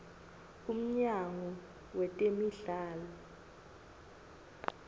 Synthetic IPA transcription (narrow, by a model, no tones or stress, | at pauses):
um̩ɲaŋɔ | wɛtʼemiɮaːlɔ